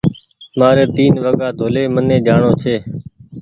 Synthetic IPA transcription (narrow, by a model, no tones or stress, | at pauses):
maːɾeːt̪iːnʋəɠaːt̪oːleːmənẽːd͡ʒaːɳoːt͡ʃʰeː